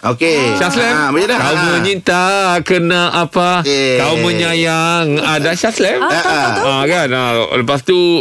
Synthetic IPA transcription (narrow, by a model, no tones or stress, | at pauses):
okeʃaslɛmbəjəlakawməɲint̪akənaʔapak̪awmə̃ɲajaŋadaʃaslɛmaɡana̰ləpast̪u